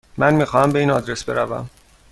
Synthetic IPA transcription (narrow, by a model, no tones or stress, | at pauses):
mænmiːxɒːhæmbe̞iːnɒːd̪ɾesbe̞ɾævæ̰m